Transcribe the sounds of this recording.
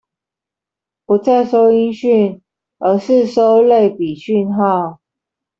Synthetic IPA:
pu˨˥t͡sa˥˩ɪʂo˥ʊi˥nɕy˥˨n | ə˧˥ʂɻ̩˥˨ʂo˦ʊle˥˨˩ɪpi˨˩ɕy˥˧nxɑ˥˨ʊ

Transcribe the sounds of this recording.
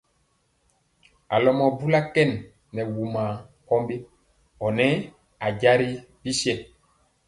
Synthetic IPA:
a̰˨lɔ˨mɔ˨bu˦la˦kɛ˦˨nː | ɛ˨wu˨ma˨ | kɔ˦mbe˦ | ɔ˨nɛ˦ | a˨ɟa˦ɾi˦ | bi˦si˦ɛ˦˨

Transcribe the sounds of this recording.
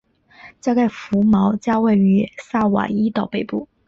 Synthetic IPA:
t͡ɕja˥˧ka˥˩ɪfu˧˥mɑ˧˥ʊt͡ɕja˥we˥˩ɪy˧˥sa˥˩wa̰˨˩i˥t̪ɑ˥˩ʊpe˥˧ɪpu˥˩

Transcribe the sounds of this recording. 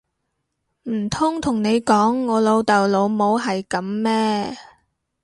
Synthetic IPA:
m̩˨˩t̪ʰʊ˥ŋt̪ʰʊ˨˩ŋne˨˧jkɔː˨˥ŋːɔː˨˧lo˨˧wt̪ɐ˨˩wlo˨˧wmo˨˧wɦɐ˨jkɐ˨˥mːɛː˥

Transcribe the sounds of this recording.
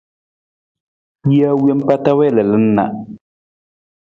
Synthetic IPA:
i˦a˦wje˦m˦pa˦ta˦wɛ˦˨lə˨lɨ˦n̩ː˦a̰˦

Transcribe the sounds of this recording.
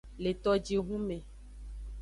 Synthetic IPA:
le˨t̪ɔ˨d͡ʒi˨ɦũ˦me˨

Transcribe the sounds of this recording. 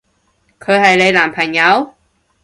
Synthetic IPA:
kʰəː˧jha˨˩jlə˧jlaː˨˩mpʰa˨˩ŋɲa˧˥˦w

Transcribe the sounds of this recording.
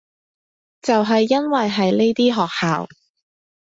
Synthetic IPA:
t͡sɐ˨wɦɐ˨jːɐ˥nwɐ˨jɦɐ˨jne˥jt̪iː˥ɦɔː˨k̚haː˨w

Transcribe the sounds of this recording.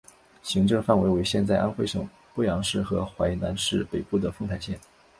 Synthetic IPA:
ɕi˧˥ŋʈ͡ʂɤ˥˧ŋfa˥˩nwe˧˥ɪwe˧˥ɪɕjɛ˥˧nt͡sa˥˧ɪʔa˥nxwe˥˩ʂɤ˨˩ŋ | pu˥˩jɑ˧˥ŋʂɻ̩˥˩xɤ˧˥xwa˧˥ɪna˧˥nʂɻ̩˥˩pe˨˩ɪpu˥˩d̪ə˩fɤ˥˧ŋt̪ʰa˧˥ɪɕjɛ˥˩n

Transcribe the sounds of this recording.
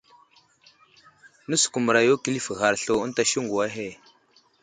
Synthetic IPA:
nə˦su̥˨ku˨mu˨ɾa˨jo˦ki˦li˦fə˨ɣa˨ɾɬo˨ə˦n˦ta˨ʃi˦ŋɡu˨wa˦ɦe˦˨

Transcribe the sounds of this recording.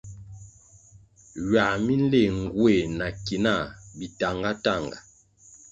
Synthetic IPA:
ɥa˨mi˦n˦le˦˨ŋ˨ɡwe˦˨na˨ki˨na˦˨bi˨ta˨ŋɡa˦ta˦˨ŋɡa̰˨

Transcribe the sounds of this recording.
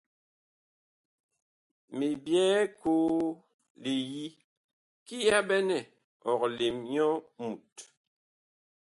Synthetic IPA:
me˨bjɛː˦koː˦ | le˨ji˦ | ki˦ja˦bɛ˦nɛ˦˨ | ɔ˨k̚le˨mɲɔ˦mu˨t̚

